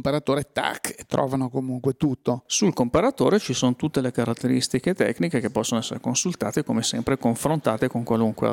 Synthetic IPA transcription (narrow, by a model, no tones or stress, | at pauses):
mpaɾat̪oːɾet̪a̰kːet̪ːɾɔ̰ːvanokomuŋkwet̪ut̪ːossulkompaɾat̪oːɾet͡ʃisoːnot̪ut̪ːelekaɾat̪ːeɾist̪iket̪ɛ̰kːnikekepːɔsːonoɛsːḛɾekonsult̪a̰ːt̪ekomesɛ̰mpɾekoɱfɾont̪aːt̪ekoŋkwaluŋkwḛ